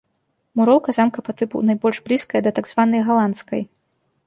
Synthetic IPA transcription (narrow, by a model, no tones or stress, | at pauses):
muɾɔwkɐzamkɐpat̪ɨpṵwnajbɔlʲʐblʲiskɐjɐd̪ɐt̪aɡzvanɐjɣalˠant̪skɐ̰j